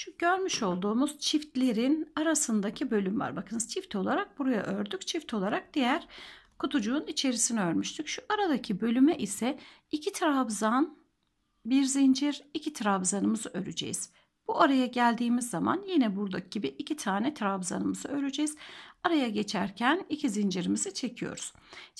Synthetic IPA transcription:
ʃuɟ̥ø̞ɾmyʃo̞lˠd̪uːmuz̥t͡ʃʰift̪lʲe̞ɾinaɾasɯnd̪acʰibø̞lʲymva̰ɾbakʰɯnɯzt͡ʃʰift̪ʰo̞lˠaɾak̚buɾaja̰ʔøɾd̪yct͡ʃʰift̪ʰo̞lˠaɾak̚d̪̥ijæɾ̥kʰut̪ʰud͡ʒuːnit͡ʃʰe̞ɾisinɛøɾmyʃt̪ʰycʃuʔaɾad̪acʰibø̞lʲymɛʔisɛicʰit̪ʰɾabzan | biɾzind͡ʒiɾicʰit̪ʰɾabzanɯmɯzɯʔøɾyd͡ʒḛjiz̥ | b̥uaɾajaɟælʲd̪iːmizːama̰njinɛbuɾd̪ak̚ɟ̥ibiʔːcʰit̪ʰaːnɛt̪ʰɾabza̰nɯmɯz̥ɯø̞ɾyd͡ʒejiz̥aɾajaɟe̞t͡ʃʰæɾcʰænicʰizind͡ʒiɾimizit͡ʃʰe̞cʰijo̞̰ɾuz̥

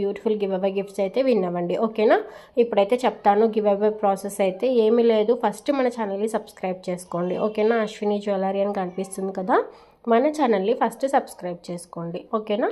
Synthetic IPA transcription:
juːʈi̥fʰulɡiʋeʋɐɡifʈsɐjt̪e̞ːʋinːɐʋɐɳɖiʔoːkeːnaːipːuɽɐjt̪e̞ːt͡ʃɛpːɐt̪aːnuɡiʋeʋɐpɾoːsesɐjt̪e̞ːeːmile̞ːd̪upʰɐsʈɨmɐnɐt͡ʃanɐlːisɐbskɾɐjb̚t͡ʃe̞ːsu̥ko̞ːɳɖiʔoːkeːnaːɐʃʋiniːd͡ʒoːlaɾiɐnkɐnipist̪und̪ikɐd̪aː | mɐnɐt͡ʃanɐlːipʰɐsʈusɐbskɾɐjb̚t͡ʃeːsu̥ko̞ːɳɖioːkeːnaː

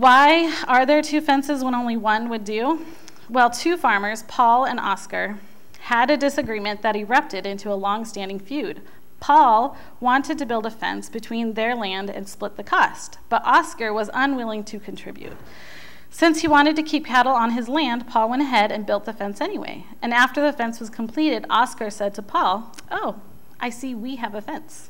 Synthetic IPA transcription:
waɪə˞ðə˞tʰʉfɛ̃nsɨzwə̃ñõʊ̃nliwʌ̃nwɨdʉ | wɛlˠtʰʉfɑɹmə˞z̥pʰɔlˠə̃nɑ̰skə˞ | ɨɾɨdɪsɨɡɹimɨ̃nðɨɾ̚ɨɹʌp̚tɨɾɪ̃ntʰʉəlɔ̃ŋstæ̃ndɪ̃ŋfjʉd̥̚ | pʰɔlˠ | wɑ̃ntʰɨd̚tɨbɪlˠdəfɛ̰̃nsb̥ɨtʰw̥ĩnðə˞læ̃ndɨ̰̃nsplɪt̪̚ðɨkʰɔst | b̥ʌɾʔɑskə˞wʌzʌ̃nwɪlˠɪ̃ŋtʰɨkʰɨ̃n̩tʰɹ̥ɪ̰bjʉ̰t̚ | sɪ̃nshiwɑ̃ɾ̃ɨd̚tɨkʰip̚kʰæɾl̩ˠə̃nɨzlæ̃ndpʰɔlˠwɛ̃ɾ̃ɨɦɛɾɨ̃nbɪlˠt̪̚ðəfɛ̃nsɛñiwḛɪ | ɨ̃næftə˞ðiɨfɛ̃nswʌz̥kʰm̩pʰl̥iɾɨɾɑskə˞sɛd̚tʰəpʰɔlˠ | ʔoʊ | ʔaɪsiwiɨvɨfɛ̃ns

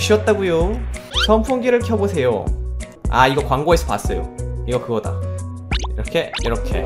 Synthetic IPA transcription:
ɕʰiʌt̚t͈aɡujosʰʌmpʰoŋɡiɾɯɭkʰjʌbosʰe̞jo̰ | a̰iɡʌkwaŋɡoɦesʰʌpa̰s͈ʌjo̰iɡʌkɯɡʌda̰ | iɾʌkʰe̞jiɾʌkʰe̞̰

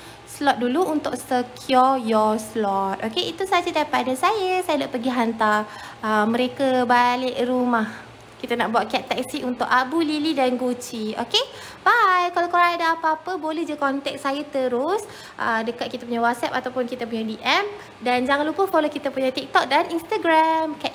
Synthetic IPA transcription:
slɔt̪̚duluunt̪ʊk̚səkʰjɔjɔslɔt̪̚ʔokeʔit̪usad͡ʒədajpadasajəsajadaʔpəɡiɦant̪a | əmə̃ɾekabalɪʔrumah | kit̪anaʔbuaʔ̪̚kiat̪ːɛk̚siʔunt̪ʊʔabulilidanɡut͡ʃio̰ke | bajkalakoɾadaːpaapəbolɛhd͡ʒakɔnt̪ɛk̚sajat̪əɾʊs | ʔədəkat̪̚kit̪ap̬uɲawɔt̪̚sɛp̚at̪awpʊnkit̪əpuɲadiʔɛm | dand͡ʒaŋãnlupəfolokit̪əpuɲat̪ik̚t̪ɔk̚danʔinst̪aɡɾamkɛt̪

